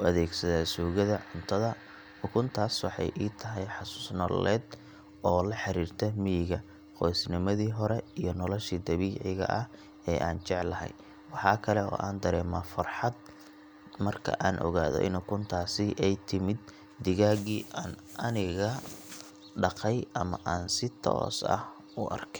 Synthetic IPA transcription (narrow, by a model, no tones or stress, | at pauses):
ʊɐðɛːɡsɐðaːsuːɣɐðɐʕʊnt̪ʰɐðɐ | ʊkʰʊnt̪ʰaːswɑħɑ̰jʔiːt̪ʰɐɦɛjħɑsʊ̥snɔ̰lɛːd̪ | ʔɔːlɐħɑɾiːrt̪ʰɛmɪjɪɣɐ | qɔjsnɪmɐðiːɦɔɾɛijɞnɔlɔʃiːd̪ɐβiːʕɪɣɐ̰ʔɐh | ɛːʔa̰ːnt͡ʃɛʕlɐɦɛ̰j | wɑħɑːkʰɐlɛɔ̰ːʔaːnd̪ɐɾɛːmaːfɐrħɑd̪̚ | mɐrkʰɐ̰ʔaːnʔɔ̰ɣaːðɔ̰ʔɪ̰nʊkʰʊnt̪ʰaːsɪʔɛjt̪ʰɪmɪd̪̚ː | ɪɣaːɣiːʔaːnʔɐnɪɣɐ | ɖɑqɛjʔɐmɐ̰ʔaːnsɪt̪ʰɔ̰ːsɐ̰h | ʊʔɐ̰rkʰɛ